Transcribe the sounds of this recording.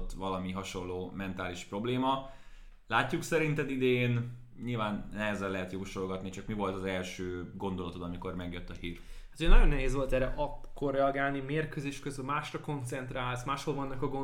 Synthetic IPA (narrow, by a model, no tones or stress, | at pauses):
t̪ːʋɒlɒmiɦɒʃo̞lːoːmɛnt̪aːliʃpro̞bleːmɒ | laːcːuksɛɾint̪ɛd̪id̪en | ɲilvaːnːɛɦɛzɛlːɛɦɛt̪joːʃolɡɒt̪nit͡ʃɒkmivo̞lt̪ɒzɛlʃøːɡo̞nd̪o̞lɒt̪o̞t̪ɒmiko̞rmɛɡjøt̪ːɒhiːrhat̪ujɛnɒjo̞nːɛɦeːzʋo̞lt̪ɛɾɛʔɒkːorːɛɒɡaːlnimeːrkøzeːʃkøzylmaːʃrɒko̞nt̪sɛnt̪raːlsmaːʃholvɒnːɒkɒɡo